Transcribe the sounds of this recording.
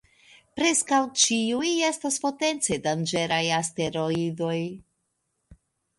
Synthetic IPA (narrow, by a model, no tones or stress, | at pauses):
pɾe̞skawt͡ʃiuje̞staspo̞te̞nt͡se̞dand͡ʒe̞ɾajaste̞ɾo̞ido̞j